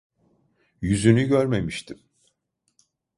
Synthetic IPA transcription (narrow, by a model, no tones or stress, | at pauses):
jyzynyɟøɾme̞miʃt̪ʰim